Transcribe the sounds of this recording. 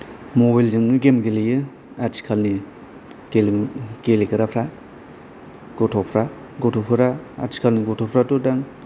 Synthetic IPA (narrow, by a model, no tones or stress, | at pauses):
mobajld͡ʒɯŋnɯɡemɡelejɯ | aɾsi̥kʰalni | kelɡelekɯɾapʰɾa | ɡ̥ɔtʰɔpʰɾa | ɡɔtʰɔpʰɯɾaːɾsi̥kʰalniɡɔtʰɔpʰɾatudaŋ